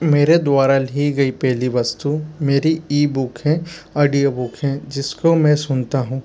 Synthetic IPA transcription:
meːɾed̪ʊaːɾaliɡɐipɛɦliʋɐst̪umeːɾiiːbʊkɦɛ̃aːɖijobʊkɦɛ̃d͡ʒɪskomɛ̃sʊnt̪aɦũː

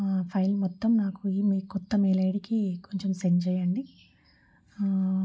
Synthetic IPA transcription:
pʰɐjlmɔt̪ːɐmnaːkuiːmiːkɔt̪ːɐmeːlɐjɽikikoɲt͡ʃemseɲd͡ʒɐjɐɳɖi

